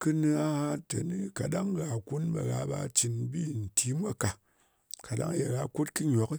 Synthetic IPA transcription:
kɨ˦nɨ˧a˦ha˦te˨nɨ˦ka˨ɗa˦ŋɣa˨ku˦nbḛ˨ɣa˧ba̰˧t͡ʃi˧nbi˦˨n̩˨tʰi˦mʷ˦a˦ka˨ | ka˨ɗa̰˦ŋ˦je˨ɣa˧ku˦tkɨ˦ɲ˨o˨˦ki˦

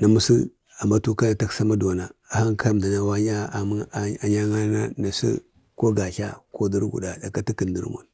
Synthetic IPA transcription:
na˨mu˦sḭ˦ | a˨mba˦tu˦ka˦na˨ta˦ksa˦ma˦du˨a˨na˨a˨ha˦ŋkʰa˦mda˨na˨wa˦ɲa˦˨m˦˨a˨ɲa˦ŋa˦na˦na˨sḭ˦ | ko˦ɡa˨ɬa̰˦ko˦di˦ɾɡṵ˨da˨da˨ka˦ti˦ki˨ndi˦ɾmo̰˨n

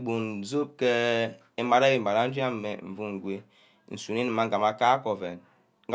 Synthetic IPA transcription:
bu˨nzo˦p̚kɛ˦ | i˦m˦ba˦ɾa˦ji˨m̩˨ba˨ɾa˦n̩˦d͡ʒi˦a˦m˨mɛ˨m̩˨vu˦ŋ˨ɡʷe˦ | n̩˨su˨ni˦ni˨ma˦ŋ̩ɡa˨ma˦ka˦kɔ˨vɛ˨n | ŋ˦ɡ

